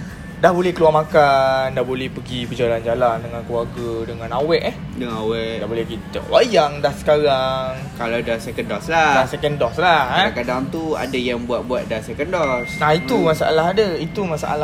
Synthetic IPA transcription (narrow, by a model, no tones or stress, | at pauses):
dahbolɛhkəluarmakandahbolɛhpəɡipəd͡ʒaland͡ʒalandəŋãnkəluarɡədəŋãnawɛʔɛ | dəŋãawɛʔdabolɛhkit̪ə̰wajaŋdahsə̥kaɾaŋ | kalawdasɛkəndɔsladasɛkəndɔslahakadaŋt̪ua̰dajaŋbuat̪̚buat̪̚dasɛkəndɔsnahit̪umasaalaɦadəit̪umasa̰ʔa̰la